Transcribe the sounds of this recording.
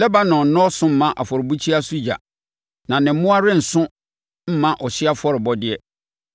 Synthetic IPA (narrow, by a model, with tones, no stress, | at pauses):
lɛ˦ba˦nɔ̃˨n˨nɔ̃˦sʊ̃˦m̩˦mã˦ʔa˨fɔ˨ɾɪ˨bu˦t͡ɕʰi˦a˦su˦ja̰˨ | nã˨nɪ̃˨m̩˦mʊ̃˦a˦ɾɪ̃˦n̩˨sʊ̃˦ | m̩˦mã˦ʔɔ˨ɕɪ˦a˦fɔ˦ɾɪ˨bɔ˦dɪ˦ɛ˦